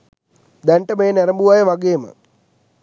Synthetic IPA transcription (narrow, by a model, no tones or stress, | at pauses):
d̪ɛɳʈəmeːnɛɾɐmbuʋaːjəʋaɡeːmə̰